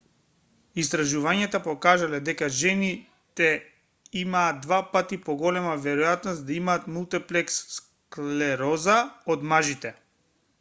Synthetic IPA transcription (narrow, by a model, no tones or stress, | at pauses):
ist̪ɾaʒuvaɲat̪apɔkaʒalɛd̪ɛkaʒɛni | t̪ɛ | imaːd̪vapat̪ipɔɡɔlɛmavɛɾɔjat̪nɔst̪d̪aimaːt̪mulˠt̪ɛplɛks | klɛɾɔzaɔd̪maʒit̪ɛ